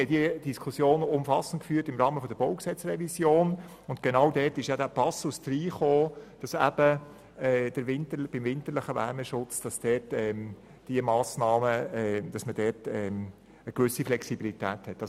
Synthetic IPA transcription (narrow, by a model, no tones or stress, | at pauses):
ɛd̥iəd̥iskʰusjoːnʊmfɑsəntkfyːtɪmɾɑːməfɔd̥əɾboʊksɛt͡srɛvisjoːn | ʊntɡ̥enɑwdɛːtɪʃjɑdæːpɑsusd̥ɾiːχoːd̥ɑsæ̰b̥ə | ɛːd̥əɾvɪntəb̥ɪmvɪntəɾlɪχəvæ̰ːɾməʃʊt͡sd̥ɑsd̥ɛːtɛm | d̥iəmɑːsnɑːməd̥ɑsməd̥ɛtɛm | əkʋʏsiflɛksibilitæːthɛt̪ːɑs